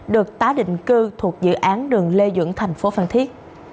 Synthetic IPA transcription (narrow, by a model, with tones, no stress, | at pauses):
ɗɨ˨˩ək̚t̪aː˨˦ɗḭ˧˨ŋ̟kɨ˧t̪ʰu˨˩ək̚zɨ̰˧˨ʔaː˨˦nɗɨ˨˩əŋle˧zɨ̰˧˥əŋt̪ʰɛ˨˩jŋ̟fo˨˦faː˧˩nt̪ʰi˦˥ət̚